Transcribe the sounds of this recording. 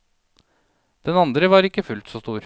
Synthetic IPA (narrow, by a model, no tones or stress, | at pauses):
d̪̥ɛnɑnd̪ɾəʋɑːɾɪkːəfʉlt̪sɔst̪uːɾ